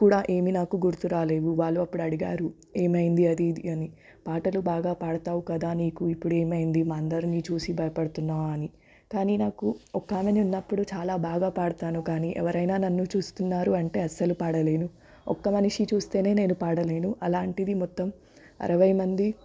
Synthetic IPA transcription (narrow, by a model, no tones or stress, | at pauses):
kuːɽaːʔe̞ːminaːkuɡuɾt̪uɾaːle̞ːʋuʋaːɭːuɐpːuɽuɐɽiɡaːɾu | e̞ːmɐjind̪iɐd̪id̪iɐni | paːʈɐlubaːɡaːpaːɽɐt̪aːʋukɐd̪aːniːkuipːuɽe̞ːmɐjind̪imaːɐnd̪ɐɾinit͡ʃuːsibʱɐjɐpɐɽɐt̪unːaːɐni | kaːniːnaːkuɔkːaːmeniunːɐpːuɽut͡ʃaːlaːbaːɡaːpaːɽɐt̪aːnukaːniʔɛ̰ʋɐɾɐjnaːnɐnːut͡ʃuːst̪unːaːɾuɐɳʈe̞ːɐsɐlupaːɽɐle̞ːnu | ɔ̰kːɐmɐniʂit͡ʃuːst̪e̞ːne̞ːne̞ːnupaːɽɐle̞ːnuʔɐlaːɳʈid̪imɔt̪ːɐm | ɐ̰ɾɐʋɐjɐmɐnd̪i